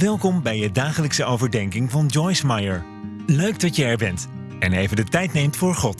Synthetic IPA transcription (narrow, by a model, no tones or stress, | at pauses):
ʋɛlˠkɔmbɛjədaːχələksəowvəɹdɛŋkɪŋvɑnd͡ʒɔjsmajəɹ | løɥɡ̚dɑtjəɛɹbɛnt | ɛnejvəndətɛjtnejmtfʊːɹχɔt